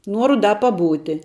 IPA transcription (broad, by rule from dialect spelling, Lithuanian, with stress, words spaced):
ˈnuɔrʊ ˈdɐ pɐˈbuːtʲɪ